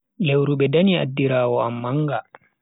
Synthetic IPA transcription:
lewɾuɓɛdania̰dːiɾaːwɔamːaŋɡa

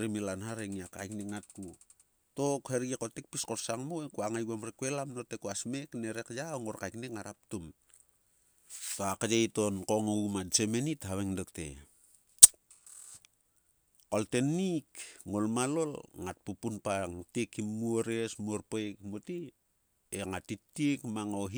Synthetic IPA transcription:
ɾemilanhaɾeŋiaka̰jknekŋat̚ku | tokheɾɡekotek̚piskorsaŋmoekuaŋajɡamɾekwelamnotekuasme̞kneɾekjawŋoɾkajknekŋaɾap̚tum | toakad͡ʒejtonkoŋoumat͡ʃemenithaβeŋdoktḛ | koltenikŋolmalo̞lŋat̚pupunpaŋtikʰːimːuoɾesmuoɾpokmoti | eŋatitːikmaŋoɦ

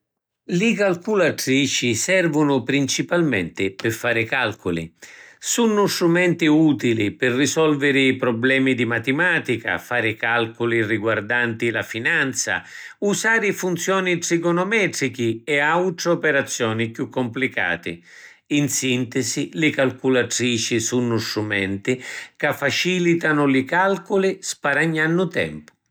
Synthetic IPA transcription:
lɪkalkulat̪ɾiːt͡ʃisɛrvʊnʊpɾint͡ʃipalmɛ̰nt̪ɪpɪfaːɾɪkalkʊlḭsunːʊst̪ɾumɛnt̪iuːt̪ilipɪrːisɔlvɪɾɪːpɾɔblɛːmid̪imat̪ɪmaːt̪ika̰faːɾɪkalkʊliriɡward̪ant̪ilafinant̪sa̰usaːɾɪfunt̪sjɔːniʈsikɔnɔmɛːt̪ɾikiɛawʈ̪ɾɔpɛɾat̪sːjɔːnikjukːʊmplika̰ːt̪ɪ̰ | insint̪ɪsilɪkalkulat̪ɾiːt͡ʃisunːʊst̪ɾumɛ̰nt̪ikafːat͡ʃiːlit̪anʊlɪkalkʊlispaɾaɲːanːʊt̪ɛ̰mpʊ̥

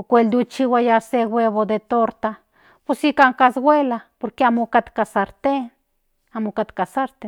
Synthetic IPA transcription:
okʷeld̪ut͡ʃiwajaseɡwʷeβod̪et̪oɾt̪a | pusikaŋkasɡwʷelapoɾkeamokat̪kasaɾt̪en | amokat̪kasaɾt̪e

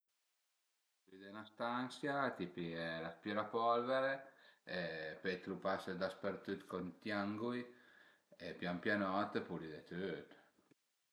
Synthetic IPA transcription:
lid̪enast̪ansjat̪ipiɛlaspjɛɾapɔlveɾeepet̪ɾupasəd̪aspeɾt̪yt̪kont̪jaŋɡuj | epjampjanɔt̪pulid̪et̪øt̪

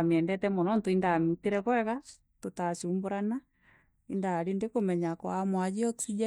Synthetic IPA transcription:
mjɛndɛtɛmɔnɔntoindamitiɾɛkwɛɣa | totasiumboɾana | indaɾendekomɛɲakɔamwad͡ʒiɔud͡ʒɛ

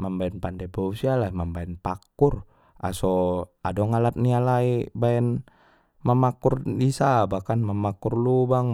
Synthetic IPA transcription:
mambaɛnpandebousialaimambaɛnpakur | ʔa̰soadɔŋalat̪̚nialaibaɛn | mamakurdisabakanmamakurlubaŋ

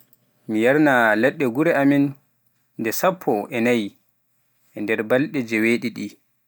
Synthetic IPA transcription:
mijaɾnalɛɗːɛɡuɾɛaminː | dɛsapʰːɔʔɛnaj | ʔɛndɛɾbalɗɛd͡ʒɛweɗiɗi

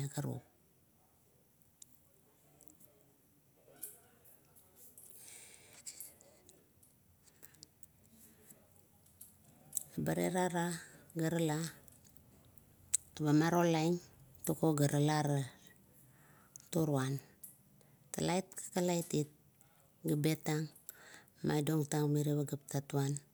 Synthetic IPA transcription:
akaɾṵ | abaɾḛɾaɾaɡəɾəla | tabamaɾolajŋtokoɡaɾalaɾa | toɾwan | talajt̚kḁkalajtit̚ | ɡabetaŋ | ma̰jdoŋtaŋmeɾeβaɡap̚tatuan

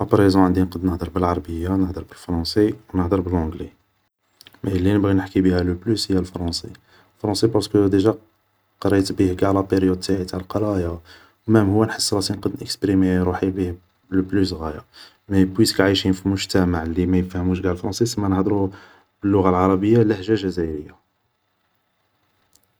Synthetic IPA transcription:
ʔɑpɑɾezɔ̃ʕənd̪inqəd̪nəhd̪əɾˤbəlʕɑɾˤɑbəjːanəhd̪əɾbəlfɾɑ̃sewnəhd̪əɾˤbəlʕɔ̃ɡle | mæjlːinəbɣinəħkibihæləblyshəjːælfɾˤɑ̃se | lfɾˤɑ̃sepɑɾˤskəd̪eʒæ | qɑɾˤɑjt̪bihɡaʕlæpeɾjud̪̚t̪aʕit̪aʕlqɑɾˤɑja | wmæmhʊwːænħəsːɾˤɑt̪inqəd̪nʔəkspɾimeɾuħibih | ləblys̬ɣæja | mæbwit̪kʕijʃinfilmʊʒt̪æmaʕlimæjəfæhəmuʃɡaʕlfɾˤɑ̃sˤisəmːænəhd̪ɾu | b̥əlːʊɣalʕɑɾˤɑbəjːalæhʒæʒæzæɾəjːa

